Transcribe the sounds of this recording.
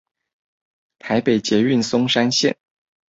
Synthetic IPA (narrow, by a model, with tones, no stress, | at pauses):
t̪ʰa˧˥ɪpe˨˩ɪt͡ɕjɛ˧˥y˥˩nsʊ˥ŋʂa˥nɕjɛ̰˥˨n